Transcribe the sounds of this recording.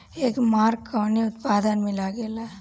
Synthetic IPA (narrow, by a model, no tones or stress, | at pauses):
eːkmaːɾkːəʋniʊt̪paːd̪ənmɪ̃laɡeːla